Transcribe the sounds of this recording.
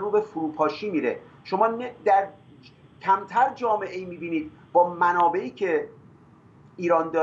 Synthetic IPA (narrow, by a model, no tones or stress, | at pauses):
ruːbefuɾuːpʰɒːʃiːmiːɾe | ʃo̞mɒːnd̪æɾ | cʰæmt̪ʰæɾd͡ʒɒːme̞ʔeiːmiːbiːniːd̪̚ | bɒːmænɒːbe̞ʔiːcʰe̞ | iːɾɒːnd̪ɒː